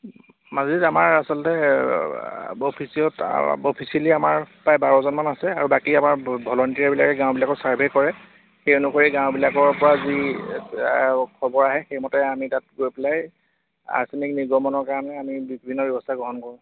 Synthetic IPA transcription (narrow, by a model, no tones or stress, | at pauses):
mazitamaɹasɔlɔtɛ | opʰisijɔtopʰisiliamaɹpajbaɹɔzɔnmanasɛaɹubakiamaɹbʱɔlɔntiɹɛɹbilakɛɡãw̃bilakɔsaɹbʱekɔɹɛ | xejonukoɹiɡãwbilakɔɹpɔɹazi | kʰɔbɔɹaɦɛxejmɔtɛamitat̚ɡojpɛlaj | a̰sinikniɡɔmɔnɔɹkaɹanɛamibibʱinːɔbjɛbɔstʰaɡɔɦɔnkɔɹʊ̃